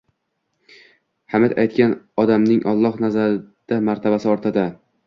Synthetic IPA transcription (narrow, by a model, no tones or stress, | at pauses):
hamɪd̪ajt̪̚kʲanɒd̪amnɪŋʔɒlˠːɒhnazaɾɪd̪̥amaɾt̪ʰabasɪɒɾt̪ʰɪd̪a